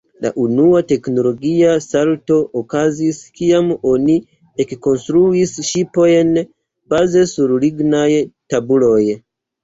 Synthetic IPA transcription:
la̰ʔunuate̞kno̞lo̞ɡiasalto̞ʔokaziskiamo̞ni | ekːo̞nstɾuisʃipo̞jn | b̥aze̞suɾliɡnajtabulo̞j

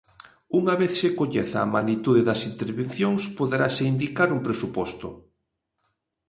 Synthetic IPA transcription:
uŋaβ̞eθsekoɲeθaːmanit̪uðeðɐsint̪eɾβen̟θjoŋspoðeɾaseind̪ikaɾumpɾesupɔst̪ʊ

